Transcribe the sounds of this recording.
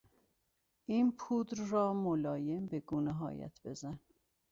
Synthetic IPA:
ʔiːnpʰuːd̪ɾrɒːmolɒːjembeɡuːneɦɒ̰ːjæ̰t̪ʰb̥e̞zæn

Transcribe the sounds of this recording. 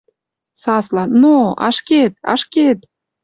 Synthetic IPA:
sɑslɑnnoɑ̰ʃket̪̚ɑ̰ʃket̪̚

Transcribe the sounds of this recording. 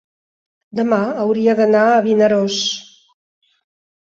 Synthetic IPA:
d̪əmaəwɾiəðənaəβinəɾos

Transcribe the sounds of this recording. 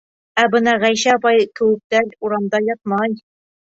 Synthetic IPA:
æbɤ̆nɑʁæjɕæbɑjkɘ̆wɘ̆k̚t̪æluɾɑmd̪ɑjɒt̪̚mɑj

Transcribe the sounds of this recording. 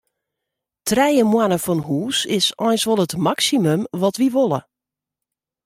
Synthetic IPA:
tʰrɛjəmwanəfɔnɦuːsɪsɔjnsʋɔlˠətmaksimømʋɔtʋiʋolˠə̰

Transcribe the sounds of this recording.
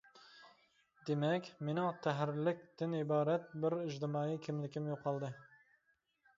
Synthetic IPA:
d̪emɛkʲmenɪŋt̪ʰæɦɾlɪkʲt̪ɪnibɑːɾɛt̪̚bɪɾiʒd̪ɪmɑːikʲʰɪmlɪkʲʰɪmjoqʰːɑlˠd̪ɨ

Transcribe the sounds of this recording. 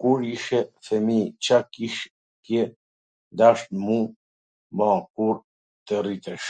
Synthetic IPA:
kuɾiʃɛfɛmit͡ʃakiʃ | kjɛ | d̪aʃt̪mũ | mãkuɾ | t̪ərit̪ɛʃ

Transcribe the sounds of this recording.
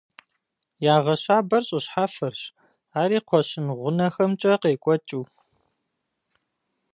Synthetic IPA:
jaːʁɐɕaːbɐrɕʼəɕħafɐrɕ | aːɾiːqʷʰɔɕɪnʁʷʊnɐxɐmt͡ʃʼɐqeːkʷʼɔt͡ʃʼuː

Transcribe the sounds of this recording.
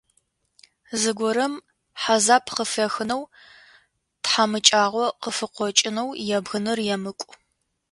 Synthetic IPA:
zɨɡʷɔɾɐm | ħazaːpʰqəfɐxɨnɐw | tħamɨt͡ʃʼaːʁʷɔqəfɨqʷɔt͡ʃʼɪnɐwjɛbɣɨnɨrjɛmɨkʷʼʊ

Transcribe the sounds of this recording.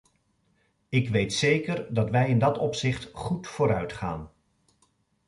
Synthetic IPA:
ɪkʋejtsejkəɹdɑtʋɛjɪndɑtɔpsɪχtχutfʊːɾœɥtχa̰ːn

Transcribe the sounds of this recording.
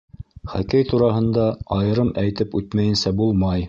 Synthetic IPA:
χækæjt̪uɾɑɦɤ̆nd̪ɑɑjɤ̆ɾɤmæjt̪ɘpʉt̪mæjɘ̆nsæbulˠmɑj

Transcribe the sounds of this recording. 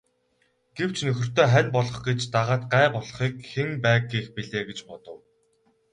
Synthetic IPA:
ɡ̥ew̥t͡ɕnɵxʲɪ̆r̥t̪ʰeːχænʲpɔɮɞ̆χɡet͡ɕt̪aʁaːt̪̚ɢæːpɔɮ̆χiːkxeŋpæːkɡiːxpiɮeːɡet͡ɕpɔt̪ɞ̆w

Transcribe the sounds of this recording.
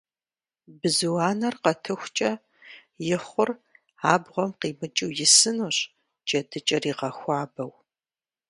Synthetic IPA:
bɨzɨwaːnɐrqɐtʰɨxʷt͡ʃʼɐ | jɪχʷʊr | aːbʁʷɔmqiːmɨt͡ʃʼɪwjɪsɨnuːɕ | t͡ʃʼɐdɨt͡ʃʼɐriːʁɐxʷɑːbɐw

